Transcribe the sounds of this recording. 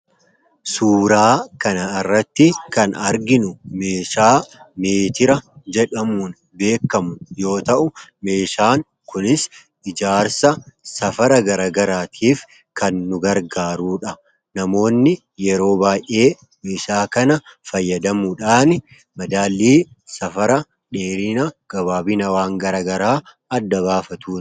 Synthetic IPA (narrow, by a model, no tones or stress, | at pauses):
suːɾaːkɐnɐɪrːɐt̪ːɪkɐnɐɾɡɪnʊme̞ːʃaːmeːt̪ɪɾɐd͡ʒɛᶑɐmuːn | be̞ːkːɐmʊjo̞ːt̪ɐʔʊme̞ːʃaːŋ | kʊnɪs | ɪd͡ʒaːɾsɐsɐfɐɾɐɡɐɾɐɡɐɾaːt̪ʰiːf | kɐnːʊɡɐɾɡaːɾuːᶑɐ | nɐmo̞ːnːɪ | jɛɾo̞ːbaːjʔe̞ː | meːʃaːkɐnɐfɐjːɐd̪ɐmʊᶑaːnɪ | mɐd̪aːlːiː | sɐfɐɾɐ | ᶑeːɾɪnɐɡ̥ɐβaːbɪnɐwaːŋɡɐɾɐɡɐɾaː | ɐd̪ːɐβaːfɐt̪uː